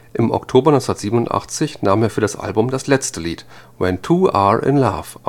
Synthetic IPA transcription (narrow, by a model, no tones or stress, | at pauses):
ʔɪmʔɔ̰ktʰoːbɐnɔnnt͡ssnɐtz̥iːbənʊntʔa̰χt͡sɪçnaːmeːɐfyːɐdasʔa̰lbʊmdaslɛt͡stəliːtwɛntʰuːaɪ̰nla̰ːf